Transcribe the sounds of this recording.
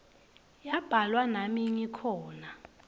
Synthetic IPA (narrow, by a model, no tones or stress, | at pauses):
jab̥ʱalwanamiɲikʰɔːna